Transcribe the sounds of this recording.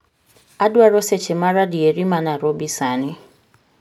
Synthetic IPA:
adwaɾɔset͡ʃɪmaɾadieɾimanaɾobisanɪ

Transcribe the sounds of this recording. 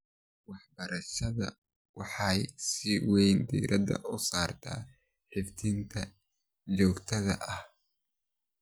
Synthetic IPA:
wɑħbɐɾɐʃɐðɐ̰ | wɑħɑjsiwɛjnd̪ḭːɾʔɐdɐ̰ʔʊsaːrt̪ʰa̰ː | ħɪft̪ʰint̪ʰɐ | t͡ʃɔːɡt̪ʰɐðɐ̰ʔɐh

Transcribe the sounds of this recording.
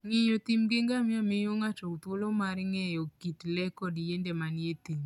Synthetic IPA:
ŋɪjot̪imɡeŋɡamɪamɪjoŋat͡ʃokt̪wolomaɾŋɛjɔkitlɛkɔdjendemanjet̪im

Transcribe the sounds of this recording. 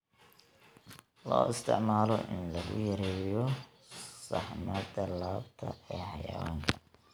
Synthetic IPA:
lɔ̰ːɪst̪ʰɪ̰ʕmaːlɔ̰ʔɪnlɐɣʊ̰jɐɾɛːjɔ | sɑħmɐd̪ɐlaːbt̪ʰɐ̰ɛːħɑja̰ːwaːŋkʰɐ

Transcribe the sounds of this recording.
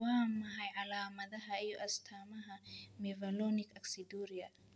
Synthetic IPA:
waːmɐɦɐjʕalaːmɐðɐɦɐɪjɔʔɐst̪ʰamɐɦɐmɛvɐlɔnɪkɐksid̪uɾiɐ

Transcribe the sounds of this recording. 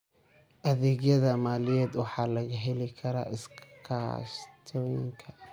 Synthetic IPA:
ʔɐðɛːɣjɐðɐmaːlɪjɛːd̪wɑħɑːlɐɣɐɦɛlɪkʰɐɾa̰ːʔɪskʰa̰st̪ʰɔːjɪ̰ŋkʰɐ

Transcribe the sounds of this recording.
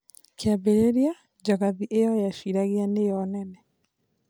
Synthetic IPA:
keaβeɾeɾja | d͡ʒaɣaðiʔejɔjaʃiɾaɣeanejɔnɛnɛ

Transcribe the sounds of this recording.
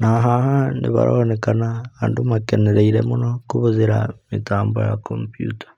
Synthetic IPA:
naɦahanḭβa̰ɾonekanaːndumakeneɾeiɾemuno̞kuβuziɾa̰mitaːmbo̰ja̰kʰompjṵːtḁ

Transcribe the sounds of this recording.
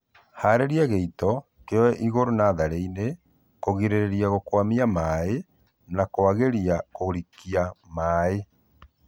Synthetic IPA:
haːɾeɾiaɣeitɔ | keɔwɛʔiɣoɾonaðaɾeine | koɣiɾeɾeɾiaɣokwamiamae | nakoaɣeɾiakoɾikiamaːe

